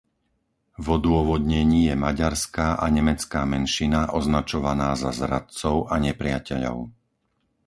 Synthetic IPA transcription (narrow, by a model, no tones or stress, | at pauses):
vɔd̪ʊɔʋɔd̪ɲɛɲiːjɛmaɟaɾskaːʔaɲɛmɛt͡skaːmɛnʃinaʔɔznat͡ʃɔʋanaːzazɾat̪t͡sɔʊʔaɲɛpɾɪacɛʎɔ̰ʊ